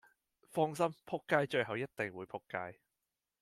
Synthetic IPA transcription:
fɔː˥ŋs̬ɐ˥mpʰʊ˥kːaː˥jt͡ʃɵ˧ɥhɐ˨wjɐ˥t̚t̪e˨ŋwuː˨˧˥jpʰʊ˥kːaː˧˥j

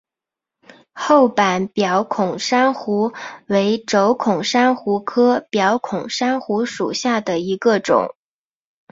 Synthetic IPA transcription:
xo˥˩ʊpa˨˩˦npjɑ˧˥ʊkʰʊ˨˩ŋʂa˥nxu˧˥we˧˥ɪʈ͡ʂo˧˥ʊkʰʊ˨˩ŋʂa˥nxu˧˥kʰɤ˥pjɑ˧˥ʊkʰʊ˨˩ŋʂa˥nxu˧˥ʂṵ˨˩ɕja˥˩d̪ə˩i˧˥ɡə˧ʈ͡ʂʊ̰˨˩˦ŋ

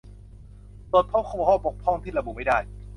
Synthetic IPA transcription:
pɤː˨˩t̪̚pʰo˦˥p̚kʰɔ˧˩ɔ˧˩hɔː˥˩po˨˩k̚pʰːɔ˥˩ŋt̪ʰiː˥˩la˧bu˨ma˥˩jdaː˥˩j

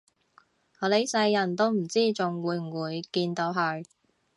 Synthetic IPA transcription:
ɔː˨˧le˨˥sɐ˧jːɐ˨˩nt̪o˥wm̩˨˩t͡siː˥˩t͡sʊ˨ŋwuː˨˧jm̩˨˩wuː˨˧jkiː˧nt̪o˨˧˥wɦœ˨˧ɥ

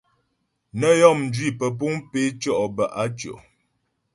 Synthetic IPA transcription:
nə˦jɔ˦˨mn˨d͡ʒɥi˦˨pə˨p̬u˦ŋpe˦t͡ʃɔ˦ʔbə˨ʔa˦t͡ʃo̰˨ʔ

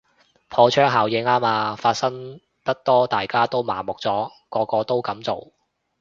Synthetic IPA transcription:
pʰɔː˧t͡ʃʰœː˥ŋɦaː˨˩wjɪ˨˥ŋaː˥maː˧faː˧t̚sɐ˥ŋ | t̪ɐ˥k̚t̪ɔː˥t̪aː˨˩jkaː˥t̪o˥wma̰ː˨˩mʊ˨k̚t͡sɔː˨˥ | kɔː˧kɔː˧t̪o˥wkɐ˨˥mt͡so˨˩w

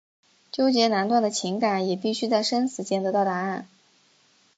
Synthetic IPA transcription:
t͡ɕjo˥ʊt͡ɕjɛ˧˥na˧˥nt̪wa˥˩nd̪ə˩t͡ɕʰi˧˥ŋka˨˩˥njɛ˨˩pi˥˩ɕy˥t͡sa˥˩ɪʂə˥nsɹ̩˧˥t͡ɕjɛ˥˩nt̪ɤ˧˥t̪ɑ˥˩ʊt̪a˧˥a˥˩n

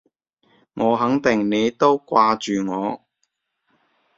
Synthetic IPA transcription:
ŋɔː˨˧ɦɐ˨˥ŋt̪ɪ˨ŋne˨˧jt̪o˥wkʷaː˧t͡ʃyː˨ŋɔː˨˧

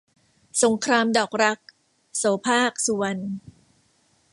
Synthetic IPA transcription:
so˩˦ŋkʰɾaː˧mdɔː˨˩k̚ɾa˦˥k̚ | soː˩˦pʰaː˥˩k̚su˨˩˦ɐn

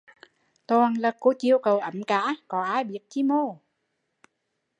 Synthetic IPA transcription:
t̪ɔː˨˩ŋlaː˨˩ko˨˧˦t͡ɕi˧˨əwkə˨˩wʔə˨˩˦mkaː˧˥kɔ˨˦ʔaː˧˥jɓi˨˥ət̚t͡ɕi˧˦mo˧˩

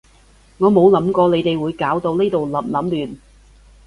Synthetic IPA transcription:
ŋɔː˨˧mo˨˧wlɐ˨˥mkɔː˧le˨˧jt̪e˨jwuː˨˧jkaː˨˥wt̪o˧wneː˥t̪o˨wlɐ˨˥mlɐ˨˥mlyː˨˩n

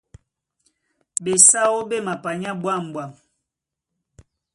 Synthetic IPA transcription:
be˨sa˦wo˦be˦˨ma˨pa˨ɲa˦bwa˦˨m˨bwa˨m

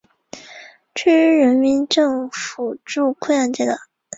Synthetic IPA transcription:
ʈ͡ʂʰɛ˥˩ɻ̩˥ɻə˧˥nmi˧˥nʈ͡ʂɤ˥˩ŋfu˨˩ʈ͡ʂu˥˧kʰwə˥˧ja˥˩nt͡ɕjɛ˥˩d̪ə˨˩˦

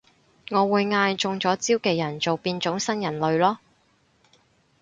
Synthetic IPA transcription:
ŋɔː˨˧wuː˨˧jŋaː˧jt͡sʊ˧ŋt͡sɔː˨˥t͡siː˥wkɛː˧jɐ˨˩nt͡so˨wpiː˧nt͡ʃʊ˨˥ŋsɐ˥njɐ˨˩nlɵ˨˧ɥlɔː˥

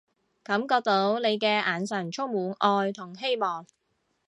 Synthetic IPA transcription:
kɐ˨˥mkɔː˧k̚t̪o˨˥wne˨˧jkɛː˧ʔaː˨nsɐ˨˩nt͡ʃʰʊ˥ŋmuː˨˥nʔɔː˧jt̪ʰʊ˨˩ŋɦe˥jmɔː˨˩ŋ

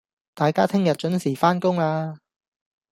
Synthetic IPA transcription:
t̪aː˨jkaː˥t̪ʰɪ˥ŋjɐ˨t̚t͡ʃɵ˨˥nsiː˨˩faː˥nkʊ˥ŋaː˧

